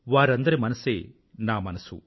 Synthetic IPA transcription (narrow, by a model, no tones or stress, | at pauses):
ʋaːɾɐnd̪ɐɾimɐnɐseː | naːmɐnɐsṵ